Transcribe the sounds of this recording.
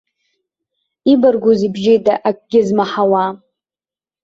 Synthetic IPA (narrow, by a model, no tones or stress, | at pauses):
ibarɡʷuzibʒejtʼaʔakʼɡʲɪzmaħawa